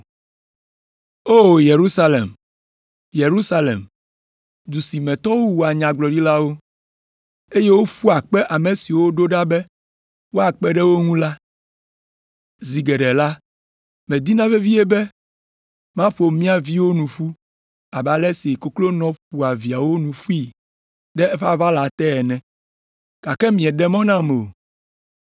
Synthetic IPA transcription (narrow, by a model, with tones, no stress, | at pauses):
o˦je˨ɾu˦sa˦lḛ˨m | je˨ɾu˦sa˦lḛ˨m | d̪u˨si˨mɛ̃˨t̪ɔ˦wo˦wu˨a˨ɲã˨ɡ͡blɔ˨ɖi˦la˦wo˦ | e˦je˦wo˦ɸu˦a˨k͡pɛ˦ʔa˨me˨si˨wo˦ɖo˦ɖa˦bɛ˦ | wo˦a˨k͡pɛ˦ɖɛ˦wo˦ŋũ˦la˦ | zi˨ɡɛ˨ɖɛ˨la˦ | mɛ̃˨d̪i˦nã˦ve˦vi˦e˦bɛ˦ | mã˦ɸo˨mĩ˦a˨vi˦wo˦nũ˨ɸu˦ | a˨ba˨lɛ˦si˨ko˦klo˦nɔ̃˨˦ɸu˨a˨vi˨a˨wo˦nũ˨ɸu˦i˦˨ | ɖɛ˦ɛ˦ɸa˦va˦la˨t̪ɛ˦ɛ˨nɛ̃˨ | ka˨kɛ˦mĩ˨ɛ̃˨ɖɛ˦mɔ̃˦nã˦me˨o˨